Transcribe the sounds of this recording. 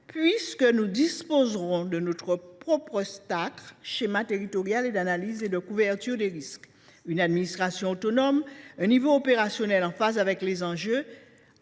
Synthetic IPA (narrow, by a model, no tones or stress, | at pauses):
pɥiskənud̪ispozʁɔ̃d̪ənot̪χəpχɔpχəst̪akʃemat̪eʁit̪ɔʁjaled̪analized̪əkuvɛʁt̪yʁd̪eʁisk | ynad̪minist̪χasjɔ̃ot̪onɔmɛ̃nivoːpeʁasjonɛlɑ̃fazavɛklezɑ̃ʒø